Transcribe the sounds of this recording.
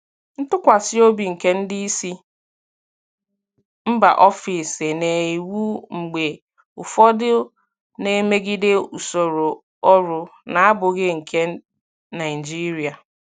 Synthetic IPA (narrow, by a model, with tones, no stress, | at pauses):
n̩˦tʊ˦kʷa˨sɪ˦o˦bi˨ŋ̩˨ke˦n̩˦dɪ˦i˦si˦ | m̩˦ba̰˨ʔɔ˦fi˨sɪ˨ne˨i˨wu˦ŋ͡m̩˨ɡ͡be˨ | ʊ˨fɔ˦dɪ˦ | ne˨me˦ɡi˦de˦u˨so˨ɾo˨ | ɔ˦ɾʊ˨na˨a˦bʊ˨ɣɪ˦ŋ̩˨kʰe˦ | na˨ɪ˨d͡ʒi˦ɾi˨a˨